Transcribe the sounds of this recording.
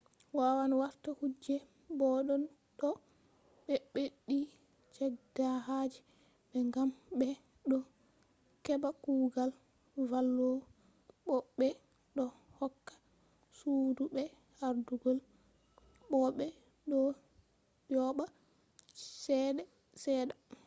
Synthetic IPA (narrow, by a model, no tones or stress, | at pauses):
wawanwaɾtahud͡ʒːɛ | bɔɗɔn | ɗɔ | ɓɛɓeɗi | t͡ʃɛɡdahad͡ʒi | ɓɛŋɡamɓɛ | ɗɔ | kɛbakuːɡal | valːɔ | ɓɔɓɛ | ɗɔhɔkːḁ | suːdubɛ | haɾduɡɔl | ɓɔɓɛ | ɗɔ | jɔɓa | sɛɗɛ | sɛːɗa